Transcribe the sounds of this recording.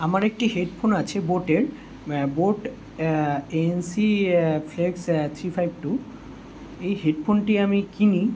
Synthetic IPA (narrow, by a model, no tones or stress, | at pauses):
amaɾek̚ʈiɦeɖpʰonat͡ɕʰeboʈeɾ | boʈ | eensifʰleɡst̪ʰɾifʰajb̚ʈu | ejɦeɖpʰonʈiamikini